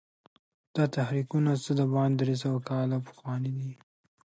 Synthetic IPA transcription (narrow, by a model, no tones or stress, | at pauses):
d̪̥ɑt̪ahɾikunasəd̪əbɑnd̪ɾes̬awakɑlapə̥xwɑnid̪i